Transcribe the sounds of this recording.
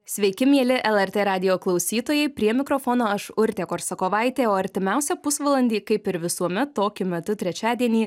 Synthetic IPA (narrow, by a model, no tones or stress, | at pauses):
sʲʋʲɛɪkʲɪmʲiɛlʲɪʔɛlˠɛɾʲt̪ʲeːɾɑːd̪ʲɪjoːklˠɐʊsʲiːt̪oːjɛɪpʲɾʲiɛmʲɪkɾoːfoːnoːɐʃʊɾʲt̪ʲekoːɾsɐkoːʋɑɪt̪ʲeːoːɐɾʲt̪ʲɪmʲæˑʊsʲɛpʊsʋɐlˠɐnʲd̪ʲiːkɐɪpɪɾʋʲɪsuɔmʲɛt̪toːkʲʊmʲɛt̪ʊt̪ʲɾʲɛt͡ʃʲæːd̪ʲiɛnʲiː